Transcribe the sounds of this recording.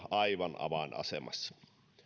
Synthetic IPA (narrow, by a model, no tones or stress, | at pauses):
ɑiʋɑnɑ̰ʋɑˑnɑ̰sḛmɑ̰sːɑ̥